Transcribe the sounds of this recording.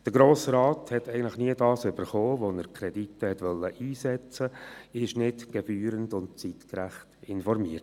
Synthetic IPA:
d̥əɾɡɾoːsɾɑːthɛt̪ɛɪɡən̩tləχniədɑːsʏbəɾχoːʋonəɾkʰɾɛditːəhɛtʋœlːəʔiːsɛt͡səɪʃnɪtɡ̥ɛfyːɾəndʊnt̚t͡sitkɾæχtɪnfɔɾmiət

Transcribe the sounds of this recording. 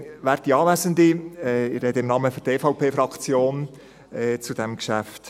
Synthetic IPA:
ʋæːɾtiɑːʋæzənd̪iɛɪɾɛd̪ɪmnɑməføɾdeːfɑʊpʰeːfɾɑkʰt͡sjoːn | ɛt͡sud̥̪ɛmkʃæft

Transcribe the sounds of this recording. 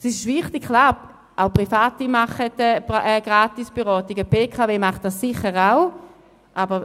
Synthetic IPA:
sɪʃʃvɪχtikklaː | ʔaʊpʁifaːtimaχətɛɛɡ̥ʁaːtisb̥eʁɔːtiɡəpeːkʰaveːmaχt̚dassɪχəʁaʊ | ʔabə

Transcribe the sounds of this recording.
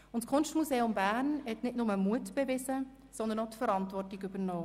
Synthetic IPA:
ʊntskʰʊnʃtmuzeːʊmbæːɾnhɛtnɪtnʊməmuətb̥evɪzə | sɔnd̪ənotfəɾɑntvɔrtiɡʏbənɔː

